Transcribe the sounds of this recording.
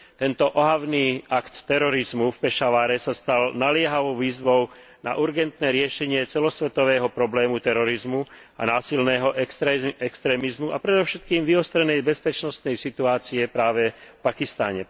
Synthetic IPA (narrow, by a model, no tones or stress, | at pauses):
t̪ɛnt̪ɔʔɔɦaʋniːakt̪ːɛɾɔɾizmufpɛʃaʋaːɾɛsast̪alnalɪɛɦaʋɔʊʋiːzʋɔʊ | na̰ʔuɾɡɛnt̪nɛːɾɪɛʃɛɲɪɛt͡sɛlɔsʋɛt̪ɔʋɛːɦɔpɾɔblɛːmut̪ɛɾɔɾizmu | a̰naːsilnɛːɦɔʔɛɛkst̪ɾɛːmizmuapɾɛd̪ɔʊʃɛt̪̚kiːmʋiɔst̪ɾɛnɛjbɛspɛt͡ʃnɔst̪nɛjsit̪uaːt͡siɛpɾaːʋɛfpakist̪a̰ɲɛ